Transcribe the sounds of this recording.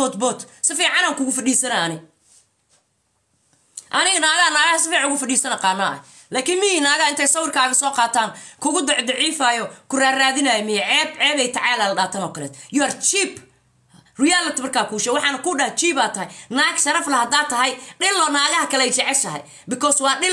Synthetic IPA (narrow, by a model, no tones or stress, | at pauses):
ɔt̪bɔːt̪sɪfiːʕɑnaːŋkʊɣʊfɐɗiːsɐnɐɐnɪ | ʔɐnɪɣɐnaːɣɐhɐnaːɣɐhɐsɪfiːʕɑnʊɣʊfɐɖiːsɐnɐqɑːnːaɐ̰ | laːkʰɪnmɪhinaːɣɐɪnt̪ʰɛjsɐwɪrkʰaːɣɐsɔːqɑːt̪ʰaːnkʰʊɣʊd̪ɑʕd̪ɑʕiːfaːjɔkʰʊraːraːðɪnajɔmɪjɛʕɛːbʕɛːβɛjt̪ʰɐʕɑːlaːlɖaːt̪ʰɐnɔːkʰɐlɛːt̪jʊɐrt͡ʃiːb | rʊjaːlɐt̪mɐrkʰaːkʰuːʃɛwɑħɑːnɐkʰʊɖɐht͡ʃiːbaːt̪ʰɐɦɐjnaːɡʃɐɾɐflɐhɐd̪aːt̪ʰɐɦɐjɖɪlɔːnaːɣɐhɐkʰɐlɛɛjt͡ʃɛʕɛʃɐɦɐ̰j | bɪkʰɔswɑːɗɪl